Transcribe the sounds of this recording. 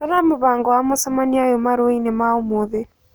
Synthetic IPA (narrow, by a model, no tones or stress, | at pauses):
aɾamoβaːŋɡɔwamosɛmaniajomaɾoinemaomoðe